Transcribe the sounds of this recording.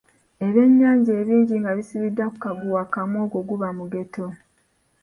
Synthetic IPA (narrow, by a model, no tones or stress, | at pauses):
e̞βe̞ɲːaːɲɟe̞ːβiːɲɟiŋɡaβisiβidːaku̥kaɡuwakamwoːɡo̞ɡuβamuɡe̞to̞